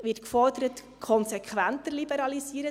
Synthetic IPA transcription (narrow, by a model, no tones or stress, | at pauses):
ʋɪt̚kfɔrdəɾət | kʰɔnsɛkʰʋæntəɾlibɛɾɑlisiːəɾə